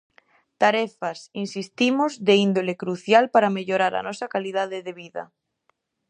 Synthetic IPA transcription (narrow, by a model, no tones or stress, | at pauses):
t̪aɾefasinsist̪imozðeind̪olekɾuθjalpaɾameʎoɾaɾa̰nosakalið̞aðeðeβiða̰